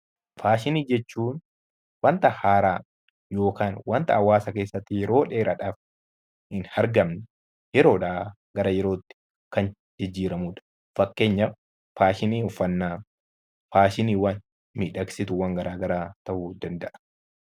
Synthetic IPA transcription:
faːʃɪniːd͡ʒɛt͡ʃːuːn | wɐnt̪ɐhaːɾaː | jo̞ːkaːnwɐnt̪ɐɐwaːsɐke̞ːsːɐt̪ːɪjɛɾo̞ːᶑe̞ːɾɐᶑaːf | hɪnhɐɾɡɐmnɛ | jɛɾo̞ːᶑaː | ɡɐɾɐjɛɾo̞ːt̪ːɪ̥ | kɐn | d͡ʒɪd͡ʒːiːɾɐmuːᶑɐ̥ | fɐkːe̞ːɲːɐ | faːʃɪniːɔfːɐnːaː | faːʃɪniːwɐn | miːᶑɐksɪt̪ʊwɐŋɡɐɾaːɡɐɾaːt̪ɐʔuːd̪ɐnd̪ɐʔɐ̥

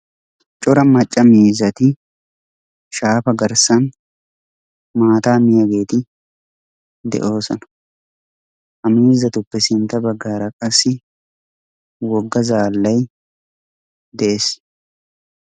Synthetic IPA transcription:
t͡ʃʼʊɾɐmɐt͡ʃʼːɐmiːzɐt̪ɪ | ʃaːfɐɡɐɾsɐn | maːt̪aːmɪjɐɡeːt̪ɪ | d̪ɛ̰ʔo̞ːsɔnɐ̥ | ʔɐmiːzɐt̪ʊpːɛsɪnt̪ɐbɐɡːaːɾɐkʼɐsɪ | wɔɡːɐzaːlːɐj | d̪ɛʔes

